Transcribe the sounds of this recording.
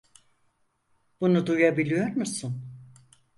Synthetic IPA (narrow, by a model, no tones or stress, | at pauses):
b̥unud̪ujabilʲijoɾmusun